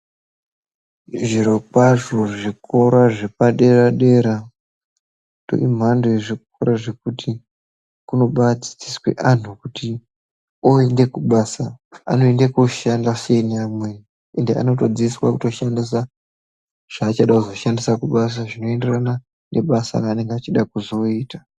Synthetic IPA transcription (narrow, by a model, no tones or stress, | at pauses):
ʐiɾokwaʐoʐikʰo̞ɾaʐe̞paɗe̞ɾaɗe̞ɾa | do̞̰im̤andoeʐik̚o̞ɾaʐe̞k̚utʰi | kuno̞ɓat͡si̥t͡siswe̞̰ʔan̤ukuti | oe̞nde̞kuɓasaa̰no̞e̞ndekoʃandase̞ineamweni | ende̞ʔa̰no̞to̞d͡ziiswa̰kuto̞ʃandisa | ʐ̥aːt͡ʃaɗakuzo̞ʃandisakuɓas̬aʐino̞e̞nde̞rana | neɓasa̰raːne̞ŋɡeat͡ʃiɗakuzo̞iːta